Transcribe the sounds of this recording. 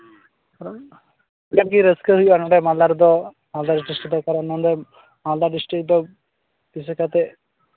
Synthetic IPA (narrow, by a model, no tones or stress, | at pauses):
aɾ | ɡakiɾəskəɦujuanɔɖɛmalaɾd̪ɔ | mald̪aɾiʈɾisʈid̪ɔkaɾanɔ̃nd̪ɛ | mald̪aɖisʈɾik̚d̪ɔ | disɛkat̪ɛ